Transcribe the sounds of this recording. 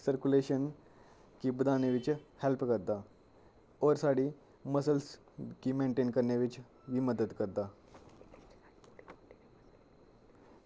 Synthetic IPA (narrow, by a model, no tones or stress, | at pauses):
səɾkuleɕən | kibəd̪aneʋit͡ɕhɛlpkəɾd̪a | ɔːɾsaɽiː | məsəls | kimẽɳʈeːnkəɾɳjeʋit͡ʃ | ʋiməd̪əd̪kəɾd̪a